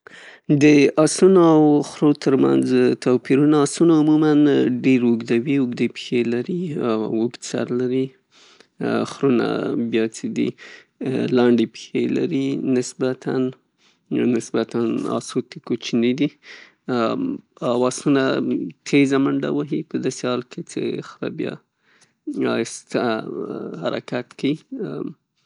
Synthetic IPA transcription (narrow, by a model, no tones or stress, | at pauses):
d̪əasunoawxɾot̪əɾma̰nzt̪opiɾunaːsunaʊmumanɖeɾuɡd̪awiʊɡd̪epxelaɾiwuɡ̪sa̰ɾlaɾi | xɾuna̰bjɑt͡sed̪ḭ | lɑɳɖepxela̰ɾinɪsbat̪ʰanː | ɪsbat̪anɑ̰sot̪ekot͡ʃned̪i | ɑwɑsunat̪ʰezamaɳɖa̰waɦipəd̪ɑsehɑlkʰet͡sḛxɾa̰bjɑ̰ | ɑɪst̪a | haɾakat̪kai